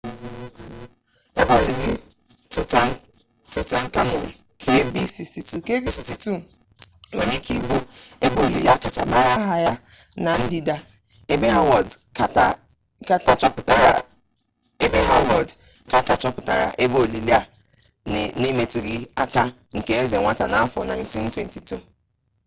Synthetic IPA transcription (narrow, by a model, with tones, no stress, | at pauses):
e˦bo˦˨li˨li˦ | tʊ˨ta˨ | tʊ˨ta˨ŋ̩˦ka˦no̰˨n̩˨ | kʰe˦bi˦si˨sti˨tu˦˨ke˦bi˦si˨sti˦tu˦ | ŋe˨ɲe˦ki˦ɡ͡bo˦e˦bo˦˨li˨la˦ka˨t͡ʃa˨ma˦˨ja˦ɦa˦ja˦na˨n̩˦di˦da˦ | e˦be˦ɦa˦wɔ˨dka˦ta˦ | ka˦ta˨t͡ʃɔ˦pʊ˨ta˨ɾa˨ | e˦be˦a˦wɔ˨dka˦ta˨t͡ʃɔ˦pʊ̥˨ta̰˨ɾa̰˨ʔe˦bo˦˨li˨li˦a˦˨ | ne˦me˨tu˨ɡi˨a˦ka˦ | ŋ̩˨ke˦e˦ze˨ŋʷa˦ta˨na˨˦a˦fɔ̰˦na˨ɪ˦nti˦n̩˦twe˦nti˨tu˦